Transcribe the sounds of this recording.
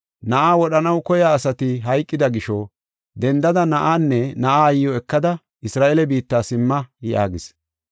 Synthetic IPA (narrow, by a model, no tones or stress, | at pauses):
nɐʔaːwɔɗɐnɐwkɔjaːsɐt̪ɪɦɐjkʼːɪd̪ɐɡɪʃɔ | d̪ɛnd̪ɐd̪ɐnɐʔaːnːɛnɐʔaːɐjɪjɔɛkːɐd̪ɐ | ʔɪsɾaːʔelɛbiːt̪ːaːsɪmːɐjɪʔa̰ːɡɪs